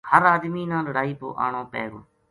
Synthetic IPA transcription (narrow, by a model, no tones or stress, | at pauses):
həɾaːd̪miːnãːləɽaːiːpo̰ːʔa̰ːɳoːpɛ̰ːɡoː